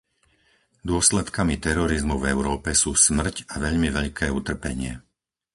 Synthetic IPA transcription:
d̪ʊɔslɛt̪kamit̪ɛɾɔɾizmuvɛʊɾɔːpɛsuːsmr̩caʋɛʎmiʋɛʎkʰɛːut̪r̩pɛɲɪɛ̰

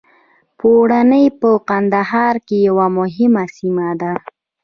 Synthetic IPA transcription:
poɽanəjpəqand̪aɦɑɾkejawamʊɦɪmasimad̪a

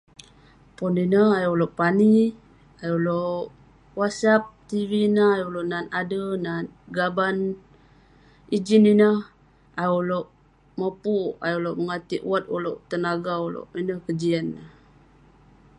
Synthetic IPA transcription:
pɔninəɦajoloʔpani | ajoloʔ | wasap̚t̪ivinəhajoloʔnanadənanɡaban | id͡ʒininəh | ajoloʔ | məpua̰juloʔməŋat̪iʔwat̪̚uloʔt̪ənaɡaulo̰ʔinəhkəd͡ʒiənːəh

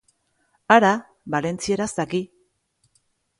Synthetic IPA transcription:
aɾa | βale̞nt͡sieɾasaki

